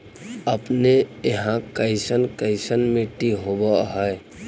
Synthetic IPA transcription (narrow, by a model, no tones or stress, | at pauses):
əpneeɦãkəɪsənkəɪsənmẽʈiɦobəɦəe